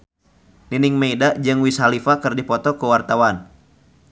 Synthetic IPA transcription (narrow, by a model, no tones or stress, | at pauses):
ninɪŋmeidaʔd͡ʒɨŋwishalifakɨrdipɔt̪ɔkuwart̪awan